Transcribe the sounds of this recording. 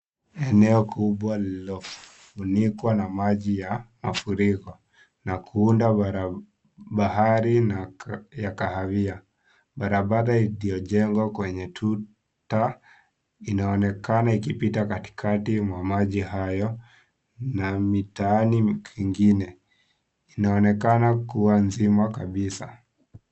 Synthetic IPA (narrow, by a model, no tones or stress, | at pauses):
ɛnɛɔkʰuɓwalilɔfunikwanamaʄijamafuɾikɔ | nakʰuundaɾ | ɓahaɾinajakahavia | ɓaɾaɓaɾailijɔʄɛŋɡwakwɛɲɛtʰu | ta | inaɔnɛkanaikipitakati̥kʰatimwamaʄihajɔ | namitaanikiŋɡinɛ | inaɔnɛkanakuwanzimakaɓisa